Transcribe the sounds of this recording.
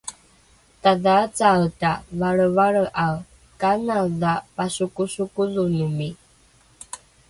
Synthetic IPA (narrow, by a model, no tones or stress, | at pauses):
taðat͡satavaɭəvaɭəʔaw | kanadapasukusukulunumi